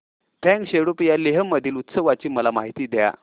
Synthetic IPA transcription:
t̪ʰɛ̃ŋkɕeɽupijaleɦəmːəd̪ʱiːlut̪səʋat͡ɕiːməlamaɦit̪iːd̪ja̰

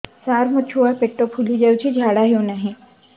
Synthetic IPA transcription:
saɾmõt͡ʃʰuapeʈːopʰulid͡ʒəwt͡ʃʰid͡ʒʱaːɽaɦjũnəɦĩ

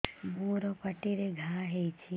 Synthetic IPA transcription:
muɾopəʈiɾeɡʱaɦeit͡ʃʰi

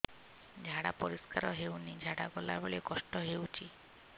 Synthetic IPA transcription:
d͡ʒʱaɽa̰pɔɾiskaɾɔɦewnid͡ʒʱaɽaɡɔlabeɭekɔsʈɔɦewt͡ʃʰi

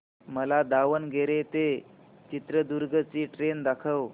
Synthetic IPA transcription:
məlad̪aʋənɡʱeɾet̪e | t͡ɕit̪ɾəd̪uɾɡʱət͡siːʈɾend̪akʰəw

